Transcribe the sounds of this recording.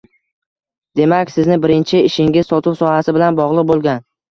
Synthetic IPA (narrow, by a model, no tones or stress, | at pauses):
d̪̥e̞makʲsɪznɪbɪɾɪnt͡ʃʰɪɪʃɪŋɪz̥sɒt̪ʰʊwsɒhasɪbɪlanbɒʁlˠɨq̚bolˠɡʲan